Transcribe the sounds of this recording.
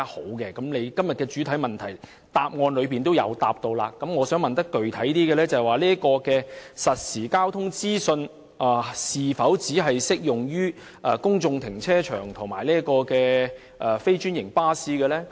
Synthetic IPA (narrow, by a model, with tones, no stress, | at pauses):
a˥ho˨˥wkɛː˧kɐ˨˥mle˨˧jkɐ˥mjɐ˨t̚kɛː˧t͡ʃy˨˥t̪ʰɐ˨˥jmɐ˨˩nt̪ʰɐ˨˩j | t̪aː˧p̚ŋɔː˧nlɵ˨˧ɥp̬iː˨nt̪o˥wjɐ̰˨˧wt̪a̰ː˧p̚t̪o˧wla̰ː˧kːɐ˨˥mŋɔː˨˧sœː˨˥ŋmɐ˨nt̪ɐ˥kːɵ˨ɥt̪ʰɐ˨˥jt̪iː˥ɡɛː˧lɛː˥t͡sɐ˨˩waː˨˩liː˥ɐ˥kɔː˧kɛː˧sɐ˨t̚siː˨˩kaː˥wt̪ʰʊ˥ŋt͡siː˥sɵ˧n | aː˨˩siː˨fɐ˨˥wt͡siː˨˥ɦɐ˨jsɪ˥k̚jʊ˨˩ŋjyː˥ | ʔɛː˨kʊ˥ŋt͡sʊ˧ŋt̪ʰɪ˨˩ŋt͡sʰɛː˥t͡ʃʰœ̰ː˨˩ŋt̪ʰʊ˨˩ŋmaː˨˩jliː˥ɐ˥kɔː˧kɛː˧ | ʔɛː˨˩fe˥jt͡ʃyː˥njɪ˨˩ŋpaː˥siː˥kɛː˧lɛ˥